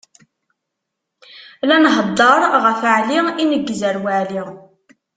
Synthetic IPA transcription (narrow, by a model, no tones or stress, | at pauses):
lænɦəd̪ˤːəɾˤʁəfəʕliinəɡːzəɾwaʕli